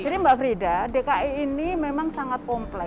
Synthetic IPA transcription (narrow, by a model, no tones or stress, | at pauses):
adimbaʔfəɾidadekaʔiinimemaŋsaŋat̪̚kɔmplɛ